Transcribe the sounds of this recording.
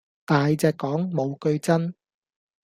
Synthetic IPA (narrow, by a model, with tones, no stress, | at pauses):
t̪aː˨jt͡sɛː˧kːɔː˨˥ŋmo˨˧wkɵ˧ɥt͡sɐ˥n